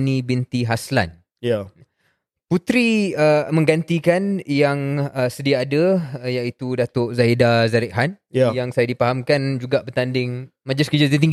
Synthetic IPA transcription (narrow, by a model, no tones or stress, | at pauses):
nĩbint̪iɦasla̰n | ja | put̪ɾiəmə̃ŋɡant̪ikanjaŋəsədiaːdəjaʔit̪udat̪ʊʔzaidazaɾɛk̚ɦanjjaŋsajadipaɦamkand͡ʒuɡaʔbət̪andɪŋmad͡ʒɪskəd͡ʒat̪it̪iŋɡ